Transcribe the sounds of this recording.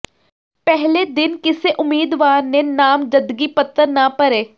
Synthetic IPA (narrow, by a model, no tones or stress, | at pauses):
pɛɦleːd̪ɪnkɪseʔʊmːiːd̪ʋaːɾneːnaːmd͡ʒəd̪ɡiːpət̪ːəɾnaːpəɾeː